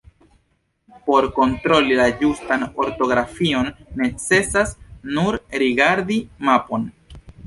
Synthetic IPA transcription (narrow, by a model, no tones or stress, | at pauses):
po̞ɾko̞ntɾo̞lilad͡ʒustano̞ɾto̞ɡɾafio̞nːe̞t͡se̞sasnuɾɾiɡaɾdimapo̞n